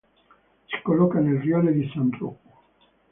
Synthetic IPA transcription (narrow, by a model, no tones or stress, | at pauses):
si̥kolːɔkanelrjɔled̪isant̪ɾṵkːu